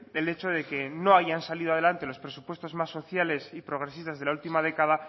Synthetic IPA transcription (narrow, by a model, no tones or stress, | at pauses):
ele̞t͡ʃo̞ð̞e̞ke̞no̞aʝansaliðoaðelant̪e̞lo̞spɾe̞supwe̞st̪o̞zmasːo̞θjale̞sipɾo̞ɣ̞ɾe̞sist̪azð̞e̞lault̪imað̞e̞kað̞a